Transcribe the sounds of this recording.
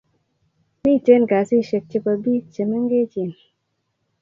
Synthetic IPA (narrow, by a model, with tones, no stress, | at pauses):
mi˦t͡ʃe˦nka˨si˦ʃe˧k̚t͡ʃe˧pa˧bi˦t͡ʃe˨mə˦ŋ˦ɡe˦t͡ʃi˧˨n